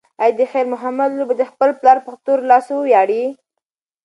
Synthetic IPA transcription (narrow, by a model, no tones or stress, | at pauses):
ajd̪əxeɾmʊɦamad̪lobəd̪əxpəlplɑɾpaxt̪oɾlɑswwjɑɽi